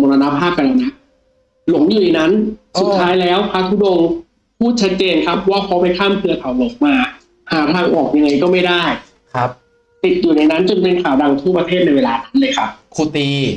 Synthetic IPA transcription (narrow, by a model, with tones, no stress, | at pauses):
moː˧na˧na˦˥pʰaː˥˩p̚ka˧nʔaː˧wna˦˥ | lo˩˦ŋjuː˨˩a˨˦na˦˥nsu˨˩tt̪ʰːaː˦˥jlɛː˦˥wpʰa˦˥t̪ʰuː˦˥do˧ŋ | pʰuː˥˩t̪̚t͡ɕʰa˦˥t̪̚t͡ɕeː˧nkʰa˦˥p̚waː˥˩kʰɔ˦˥pa˧jkʰaː˥˩mkʰɯ˧ɐt̪ʰa˨˦wloː˨˩˦k̚maː˧ | haː˩˦t̪ʰaː˧ŋʔɔː˨˩k̚ja˧ŋːa˧jkɔː˥˩ma˥˩jdaː˥˩j | kʰp̚ | t̪i˨˩t̪̚ju˨˩na˧jna˦˥nt͡ɕo˧ŋpe˧nkʰaː˨˩˦wda˧ŋt̪ʰu˥˩pɾa˧t̪ʰeː˥˩t̪̚na˧jweː˧laː˧na˦˥nlɤː˧jkʰa˦˥p̚kʰuː˧t̪iː˧